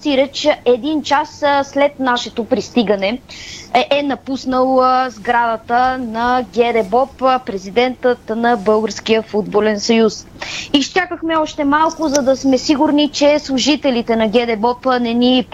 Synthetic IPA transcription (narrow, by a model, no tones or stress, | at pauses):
siɾət͡ʃɛd̪int͡ʃasslɛt̪naʃɛt̪opɾist̪iɡənɛ | ʔɛnɐpusnəlˠzɡɾad̪ət̪ənɐɡʲɛd̪ɛbɔppɾɛzid̪ɛnt̪ət̪nɐbɤlˠɡəɾskijəfud̪bolɛnsɐjus | ist͡ʃakəxmɛɔʃt̪ɛmalˠkʊzɐd̪ɐsmɛsiɡuɾnit͡ʃɛslˠuʒit̪ɛlit̪ɛnɐɡʲɛd̪ɛbɔpnɛnip